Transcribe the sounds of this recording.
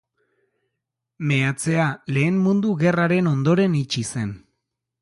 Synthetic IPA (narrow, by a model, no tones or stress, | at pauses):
me̞at͡se̞ale̞ːmmund̪uɣe̞raɾe̞no̞nd̪o̞ɾe̞nit͡ʃise̞n